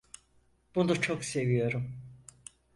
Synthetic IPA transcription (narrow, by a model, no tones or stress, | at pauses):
b̥unut͡ʃʰokse̞vijo̞ɾum